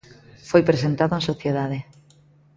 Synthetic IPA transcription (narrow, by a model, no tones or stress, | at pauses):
fojpɾesent̪aðoẽnsoθjeðaðe